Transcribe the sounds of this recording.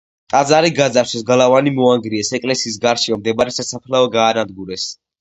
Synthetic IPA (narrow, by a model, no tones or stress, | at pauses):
t̪ʼad̪zaɾiɡad̪zaɾʃɛsɡalˠavanimɔaŋɡɾiɛsɛkʼlɛsiːs̬ɡaɾʃiamd̪ɛbaɾɛsasapʰlaɔɡaːnad̪̚ɡuɾɛs